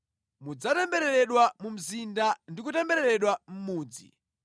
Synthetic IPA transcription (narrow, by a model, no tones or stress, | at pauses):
mud͡zatambɛɾɛɾɛɗwamum̩zindandikutɛmbɛɾɛɾɛɗwam̩muːd͡zḭ